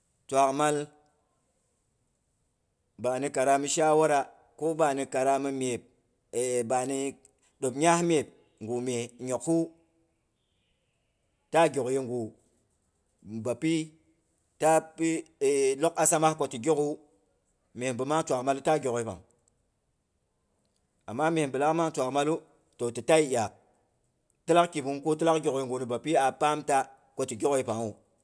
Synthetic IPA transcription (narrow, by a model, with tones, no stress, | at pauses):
twa˨kma˦l | ba˨ni˦ka˨ɾa˦mi˦ʃa˦wo˦ɾa˦ | ko˦ba˨ni˧ka˨ɾa˦mi˦me˨p̚ | ba˨ni˦ | ɗo˨pɲa˦hme˨p̚ | ŋɡu˨me˨ɲo˨kːu˦ | ta˦ɡʲo˨kji˦ŋɡu˨ | ba˨pi˦ | ta˦pi˦˨lo˦ka˦sa˦ma˦ko˦ti˨ɡʲo˦ku˦ | me˨bə˨ma˦ŋ˦t͡ʃʷa˨ma˦lu˦ta˦ɡʲo˨kji˦pa̰˨ŋ | a˨mːa˦me˨m˨bə˨la˦kma˦ŋt͡ʃʷa˨ma˦lu˦ | to˨ti˨ta˦i˦ʔa˨k̚ | ti˦la˦kki˨bu˦ŋku˦t̬i˦la˦kɡʲo˨kji˨ŋɡu˨nu˨ba˨pi˦a˨pa˦mta˦ | ko˦ti˨ɡo˦ki˦pa˨ŋu˨